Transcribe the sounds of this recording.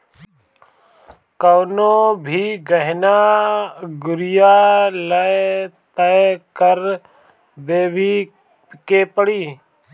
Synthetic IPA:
kəʋnõːbʱiːɡəɦnaː | ɡʊɾɪjaːlət̪əkəɾ | d̪eːbʱiː | keːpəɽiː

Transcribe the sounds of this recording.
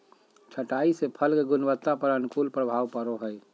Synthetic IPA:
t͡ʃʰəʈaːisepʰəlkeɡʊnwət̪ːapəɾənʊkuːlpɾəbʱaːwpəɾoɦəe

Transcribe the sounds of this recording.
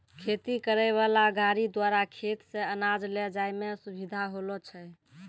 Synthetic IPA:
kʰet̪ikəɾəβalaɡaɾid̪waɾakʰet̪sẽənad͡ʒlɛd͡ʒajmesubʱid̪ʱaɦolɔt͡ʃʰɛ

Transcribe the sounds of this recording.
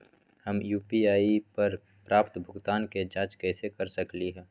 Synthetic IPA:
həmjuːpiaːipəɾ | pɾaːpt̪bʱʊɡt̪aːnked͡ʒaːt͡ʃkɛːsekɐɾsəkliɦɛ̃ː

